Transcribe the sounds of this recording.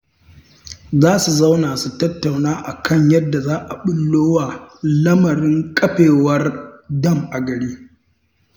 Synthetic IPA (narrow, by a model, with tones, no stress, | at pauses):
zaː˦su˨za˦wnaː˨su˨tɐ˦tːa˨wnaː˦ʔa˨kʰɐ˦˨ɲjɐ˦dːa˨zaː˦ʔa˨ɓʊ˦lːoː˦waː˨lɐ˦mɐ˨ɾɪ˦ŋkʼɐ˦ɸeː˨wɐ˦rdɐ˦˨mʔa˨ɡɐ˨ɽiː˦